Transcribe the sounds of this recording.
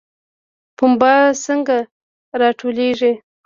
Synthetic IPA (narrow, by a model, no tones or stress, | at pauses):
pʊmbɑsəŋɡa | ɾɑʈʰoleʐi